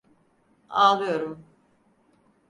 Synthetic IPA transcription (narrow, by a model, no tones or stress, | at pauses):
aːlˠɯjo̞ɾum